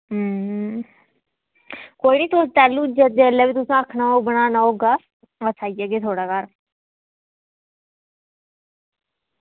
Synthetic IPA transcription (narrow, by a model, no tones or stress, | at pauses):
ɦə | koːiːniːt̪ost̪ɛːlːũd͡ʒəd̪elːeːʋiːt̪ʊsãːəkʰnaːoːbəɽ̃aːnaoːɡaː | əsʰaːiaɡeːt̪ʰoːɽaːkaːɾ